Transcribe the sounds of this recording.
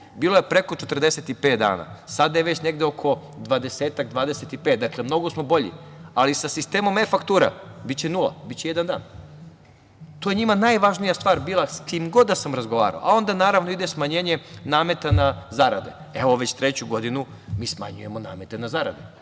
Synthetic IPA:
biːloje̞pɾe̞ko̞t͡ʃet̪r̩d̪e̞set̪ipe̞ːt̪̚d̪a̰ːna̰sad̪ajeʋe̞t͡ɕne̞ɡd̪eokʰo̞d̪ʋad̪e̞seːt̪akd̪ʋaːd̪eset̪ipet̪̚d̪akle̞mno̞ɡo̞smo̞bo̞ʎḭalisasist̪eːmo̞mefakt̪uːɾa̰bit̪t͡ɕenulˠa̰bit̪t͡ɕejed̪and̪a̰ːn | t̪oːjeɲimanajʋaʒnijast̪ʋaːɾbiːlˠaskimɡo̞d̪ːasamɾazɡo̞ʋa̰ːɾa̰o̰ao̞nd̪anaːɾaʋno̞id̪esmaɲeːɲe̞naːme̞t̪anazaɾad̪e̞̰ | eʋo̞ʋe̞t͡ɕt̪ɾet͡ɕuɡo̞d̪inu | miːsma̰ɲuje̞mo̞na̰ːme̞t̪e̞nazaɾa̰d̪e

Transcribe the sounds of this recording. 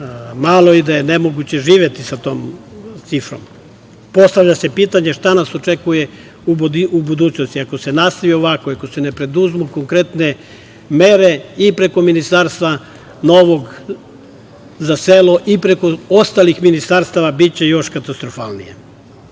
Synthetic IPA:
malˠo̞id̪aje̞ne̞mo̞ɡut͡ɕe̞ʒiːʋje̞t̪isat̪o̞ːmt̪sifɾo̞̰m | po̞st̪aʋʎase̞piːt̪aɲeʃt̪anaso̞t͡ʃekuje | uubud̪uːt͡ɕno̞st̪iako̞se̞nast̪aʋio̞ʋako̞iakosene̞pɾe̞d̪uzmuko̞ŋkɾe̞t̪ne̞ | me̞ɾe̞ipɾe̞ko̞minist̪aɾst̪ʋa | no̞ʋo̞ɡ | zaseloʔipɾe̞ko̞o̞st̪alixminist̪aɾst̪aʋabit͡ɕe̞jo̞ʃkat̪ast̪ɾofalˠnḭjḛ

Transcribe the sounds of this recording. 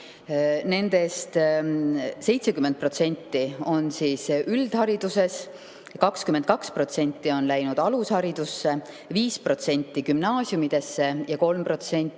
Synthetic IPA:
ne̞nd̪̥e̞st̪ | se̞jt̪se̞kyment̪̚pro̞t̪se̞nʲt̪ːio̞nsiːsʔyld̪̥hɑɾid̪̥use̞s | kɑkskyment̪̚kɑkspro̞t̪se̞nʲt̪ːˑio̞nlæjnud̪̥ɑlushɑɾid̪̥usːe̞ | viːspro̞t̪se̞nʲt̪ːˑikymnɑːsjumid̪̥e̞sːe̞jɑko̞lmpro̞t̪se̞nʲt̪ːˑi

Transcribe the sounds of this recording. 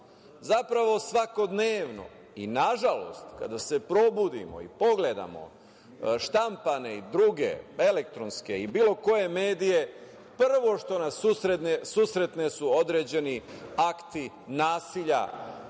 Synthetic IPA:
zapɾaʋo̞sʋako̞d̪neːʋno̞̰ | inaʒalo̞st̪ka̰d̪ase̞pɾo̞bud̪ḭmo̞̰ḭpo̞ɡle̞d̪a̰mo̞̰ | ʃt̪ampane̞id̪ɾuːɡḛe̞lekt̪ɾo̞nske̞ibiːlˠo̞ko̞je̞me̞ːd̪ije̞ | pr̩ʋo̞ʃt̪o̞nasusɾenesuːsɾe̞t̪ne̞suo̞d̪ɾeːd͡ʑe̞niakt̪i | naːsiʎa̰

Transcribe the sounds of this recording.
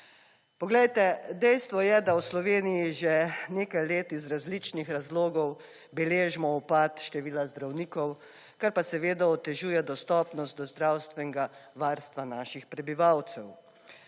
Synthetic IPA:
pɔɡlɛjt̪ɛd̪ɛjst̪ʋɔjɛd̪awslɔʋeːnijiʒɛneːkajleːt̪izɾazlit͡ʃnixɾazloːɡɔw | bɛleːʒmɔɔpaːt̪ʃt̪ɛʋiːlazd̪ɾawniːkɔw | kaɾpasɛʋeːd̪aɔt̪ɛʒuːjɛd̪ɔst̪ɔːpnɔst̪̚d̪ɔzd̪ɾawst̪ʋɛnɛɡaʋaɾst̪ʋanaːʃixpɾɛbiʋawt̪sɛw

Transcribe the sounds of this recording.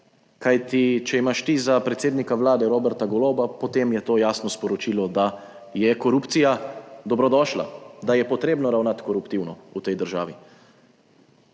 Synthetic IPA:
kajt̪it͡ʃɛimaʃt̪izapɾɛt̪seːd̪nikaʋlaːd̪ɛɾoːbɛɾt̪aɡɔlobapɔt̪eːmjɛt̪oːjaːsnɔspɔɾɔt͡ʃiːlɔd̪a | jɛkɔɾupt̪sijad̪ɔbɾɔd̪ɔːʃla̰d̪ajɛpɔt̪ɾeːbnɔɾawnat̪kɔɾupt̪iwnɔut̪ɛjd̪əɾʒa̰ːʋi

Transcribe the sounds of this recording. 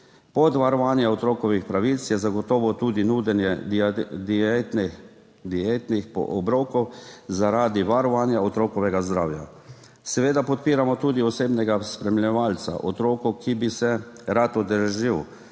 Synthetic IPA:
pɔt̪ʋaɾɔʋaːnjaɔt̪ɾoːkɔʋixpɾaʋit̪sjɛzaɡɔt̪ɔːʋɔt̪uːd̪inud̪ɛnjɛ | d̪i | d̪iet̪nixpɔ̰ʔɔbɾoːkɔwzaɾaːd̪iʋaɾɔʋaːnjaɔt̪ɾoːkɔʋɛɡazd̪ɾaːwja | sɛʋeːd̪apɔt̪̚piːɾamɔt̪uːd̪iɔseːbnɛɡaspɾɛmilʲɛʋalsa̰ʔɔt̪ɾoːkɔkibisɛɾat̪ɔd̪əɾʒiw

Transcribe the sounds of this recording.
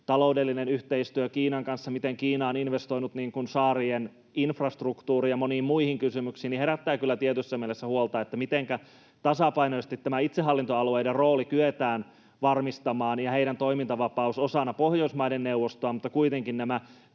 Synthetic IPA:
t̪ɑlo̞udelːinenyht̪eist̪yøkiːnɑŋkɑnsːɑmit̪eŋkiːnɑoninʋest̪oijnut̪niːŋkunsɑːrien | infrɑst̪rukt̪uːrijɑmoniːmmuihiŋkysymyksiːniheɾæt̪ːæːkylːæt̪iet̪ysːæmielesːæhuolt̪ɑːet̪ːæmit̪eŋkæ | t̪ɑsɑpɑinosest̪it̪ːæmæit̪seɦɑlːint̪oɑluejderroːlikyet̪æːn | ʋɑrmist̪ɑmɑːnjɑheiɾænt̪oimint̪ɑʋɑpɑusosɑnːɑpohjoismɑjdenneuʋːost̪oɑmut̪ːɑkuit̪eŋkinnæmæ

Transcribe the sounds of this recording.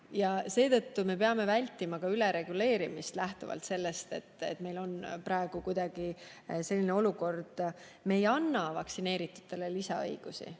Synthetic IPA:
jɑse̞ːt̪ɤ̞t̪ːume̞pe̞ɑme̞vælʲt̪ːˑimɑkɑyle̞ɾe̞ɡ̥ule̞ːɾimist̪læht̪uvɑ̰lt̪se̞lːe̞st̪e̞t̪ːḛt̪me̞jlo̞npɾɑe̞ɡ̥ukujd̪ɑɡ̥ise̞lʲːine̞o̞luko̞rd̪̥ | me̞ːjɑnːɑvɑksine̞ːɾit̪ːˑu̥t̪ːe̞lelisɑɤ̰jɡ̥usḭ

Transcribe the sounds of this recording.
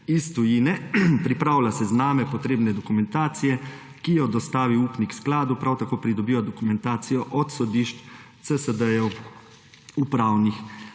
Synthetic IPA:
ist̪ujinɛpɾipɾaːwlasɛznaːmɛpɔt̪ɾeːbnɛd̪ɔkumɛnt̪aːt̪sijɛ | kijɔd̪ɔst̪aːʋiuːpniksklaːd̪upɾʔawt̪akoːpɾid̪ɔbiːjɔd̪ɔkumɛnt̪aːt̪sijɔʔɔt̪sɔd̪iːʃt͡ʃt̪səsəd̪əjɔw | upɾaːwnix

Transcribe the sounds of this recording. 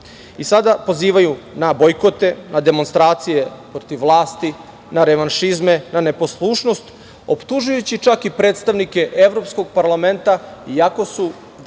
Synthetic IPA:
isad̪apo̞ziːʋajunabojkot̪e̞nʔad̪e̞mo̞nst̪ɾaːt̪sije̞pɾot̪iʋːlˠaːst̪i | naɾeʋanʃizme̞nane̞po̞slˠuːʃno̞st̪ | o̞̰pt̪uʒujut͡ɕit͡ʃakipɾeːt̪st̪aʋnike̞ʔeʋɾo̞psko̞ɡ̚paɾlame̞nt̪aiako̞su

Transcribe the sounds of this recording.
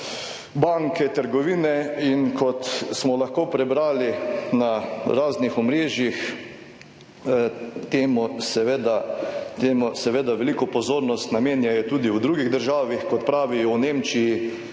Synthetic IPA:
baŋkɛt̪əɾɡɔʋiːnɛinkʰɔt̪smɔlaxkoːpɾɛbɾaːlinaɾaːznixɔmɾeːʒjix | t̪eːmusɛʋed̪at̪eːmusɛʋeːd̪aʋɛlikɔpɔzoːɾnɔst̪nameːnjajɛt̪uːd̪iwd̪ɾuɡiɣd̪əɾʒaːʋixkɔt̪pɾaːʋijwnemt͡ʃiji

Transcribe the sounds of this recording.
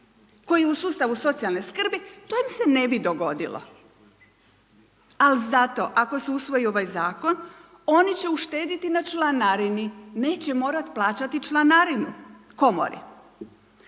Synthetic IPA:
ko̞jijeusuːst̪aʋuso̞t̪sialˠne̞skr̩bit̪oimse̞ne̞bid̪o̞ɡo̞d̪ḭlo̰ | alizat̪o̞̰ʔako̞seusʋo̞jio̞ʋajzaːko̞n | o̞nit͡ɕe̞uʃt̪eːd̪it̪inat͡ʃlˠanaɾinine̞ːt͡ɕemo̞ːɾat̪plˠaːt͡ɕat̪it͡ʃlˠanaɾinuko̞mo̰ɾḭ

